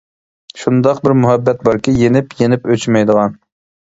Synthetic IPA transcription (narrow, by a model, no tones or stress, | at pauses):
ʃund̪ɑqbɪɾmuɦɛbːɛt̪̚bɑɾkʲɪjenɪpjenɪpøt͡ʃmɛjd̪əʁɑn